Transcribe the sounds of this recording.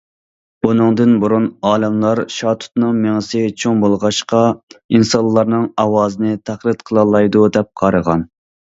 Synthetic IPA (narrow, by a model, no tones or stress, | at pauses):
bunɨŋd̪ɨnbuɾunɑːlɛmlˠɑɾʃɑt̪ʰu̥t̪nɨŋmeŋɨsɪt͡ʃʰoŋbolˠʁɑʃqɑinsɑlˠːɑɾnɨŋɑwɑːzɨnɨt̪ʰæχlˠɨt̪qʰəlˠɑlˠːɑjd̪ud̪ɛp̚qʰɑɾəʁɑn